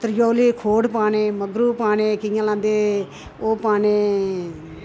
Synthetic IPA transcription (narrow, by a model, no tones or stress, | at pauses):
t̪əɾjoːliːkʰoːɽpaːneːməɡɾuːpaːneːkɪjãːlãːnd̪eː | oːpaːneː